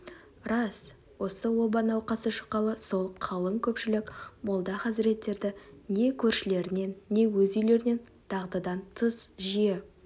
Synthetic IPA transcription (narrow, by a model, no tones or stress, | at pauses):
ɾɑs | wo̞səwo̞bɑnɑwqɑsəʃə̥qːɑlˠəso̞lˠqʰɑlˠəŋkʲʰɵpʃɪlɪkmolˠd̪ɑχɑs̬ɪɾe̞t̪ːe̞ɾd̪ɪne̞kʲʰɵɾʃɪle̞ɾɪne̞nːe̞wɵzʏjle̞ɾɪne̞n | t̪ʰɑʁd̪ɑd̪ɑnt̪ʰəsʒije